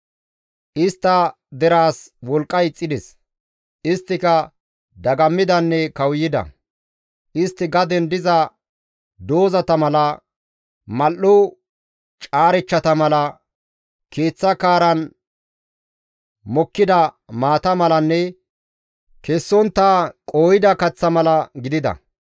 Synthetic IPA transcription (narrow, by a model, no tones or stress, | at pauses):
ʔɪst̪ːɐ | d̪ɛɾaːswɔlkʼːɐjt͡sʼːɪd̪ɛs | ʔɪst̪ːɪkɐ | d̪ɐɡɐmːɪd̪ɐnːɛkɐwjɪd̪ɐ̰ | ʔɪst̪ːɪɡɐd̪ɛnd̪ɪzɐ | d̪o̞ːzɐt̪ɐmɐlɐ | mɐlːʊ | t͡ʃʼaːɾɛt͡ʃːɐt̪ɐmɐlɐ | kʰe̞ːt͡sːɐkaːɾɐn | mɔkːɪd̪ɐ | maːt̪ɐmɐlɐnːɛ | kɛsːɔnt̪ːaːkʼo̞ːjɪd̪ɐkɐt͡sːɐmɐlɐɡɪd̪ɪd̪ɐ̰